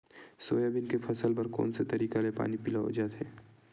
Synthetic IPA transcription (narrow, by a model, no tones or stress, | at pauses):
soːjabɪnkepʰɐsəlbɐɾkɔ̰ːnset̪ɐɾiːkalepa̰ːnipɪlaɦo̰d͡ʒaːt̪ɦɛː